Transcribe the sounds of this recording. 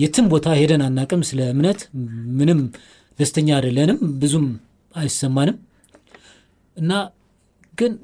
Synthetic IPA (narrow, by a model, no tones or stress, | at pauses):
jɛt̪ʰɨmbo̞t̪ʰahe̞d̪ənanːakʼɨmsɨləɨmnət̪mɨnɨm | d̪əst̪ʰəɲːad̪lənɨmbɨzum | ajsːəmːanɨm | ʔɨnːa | ɡɨn